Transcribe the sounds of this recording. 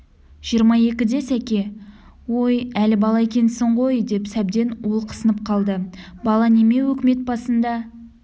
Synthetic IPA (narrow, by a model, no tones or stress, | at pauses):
ʒ̥ijəɾmɑje̞kʲɪd̪e̞sækʲe̞ | wo̞jælɪbɑlˠɑekʲe̞nsɪɴʁo̞jd̪e̞psæb̚d̪e̞nwo̞lˠqʰə̥sənəp̚qʰɑlˠd̪əbɑlˠɑne̞me̞wɵkʲɪme̞t̪̚bɑsənd̪ɑ